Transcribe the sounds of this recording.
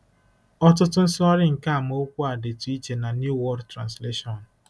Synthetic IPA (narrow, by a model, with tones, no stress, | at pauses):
ɔ˦tʊ˦tʊ˦n̩˦sʊ˦ɔ˦ɾɪ˦ŋ̩˨ka˦a˨m˦o˦kʷu˦a˨de˨tu˨i˦t͡ʃe˨na˨nju˦wɔ˦ɾtɾa̰˨nsle˦ʃɔ˨n̩˨